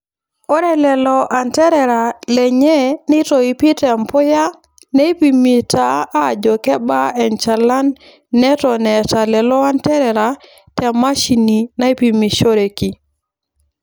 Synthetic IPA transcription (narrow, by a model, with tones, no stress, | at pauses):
o˦ɾɛ˨lɛ˨lɔ˨ʔa˨ntɛ˦ɾɛ˨ɾa˨lɛ˨ɲɛ˦ni˦tɔ˨i˨pi˦tɛ˨mpʊ˦ja˦ | ne˦pi˨mi˨ta˦a˦˨d͡ʒɔ˨kɛ˦ba˦ɛ˨nt͡ʃa˨la˦nː | ɛ˦tɔ˨nɛ˨ta˨lɛ˨lɔ˦a˦ntɛ˦ɾɛ˨ɾa˨ | tɛ˨ma˦ʃi˨ni˨na˦i˦pi˨mi˨ʃo˦ɾe˨ki˨